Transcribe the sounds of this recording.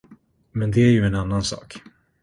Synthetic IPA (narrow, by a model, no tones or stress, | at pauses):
mɛnd̪ɛæɾjɵɛnanːansɑ̰ːk